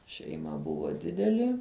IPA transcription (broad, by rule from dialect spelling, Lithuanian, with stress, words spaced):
ʃʲɛɪˈmɐ ˈbʊʋoː ˈdʲɪdʲɛlʲɪ